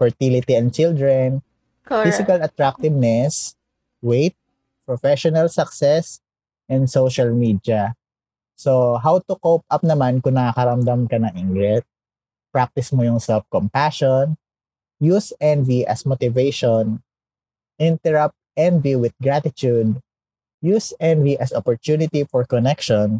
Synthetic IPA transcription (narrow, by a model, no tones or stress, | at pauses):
fɔɹt̪ilɪt̪iɐ̃n̚t͡ʃɪld̪ɹɛn | fisɪkɐlɐt̪ɹak̚t̪ɪvnɛs | wejt̪̚ | pɹɔfɛʃɔnɐlsɐksɛs | ʔɛ̃nd̪sowʃɐlmid̪jɐ | soɦawt̪ʊkowp̚ʔap̚nɐmankʊŋnɐakɐɾɐmd̪ɐmkɐnɐŋɪŋɡɾɛt̪̚ | pɹak̚t̪ɪsmojʊŋsɛlf̚kɔmpaʃɔn | jusɛnviʔɐsmot̪ɪvejʃɔn | ʔɪ̃nt̪ɛɹap̚t̪̚ʔɛ̃nviwɪd̪̚ɡɹat̪ɪt̪ud̪̚ | jusɛnviʔɐsɔpɔɹt̪unɪt̪ifɔɹkɔnɛkʃɔn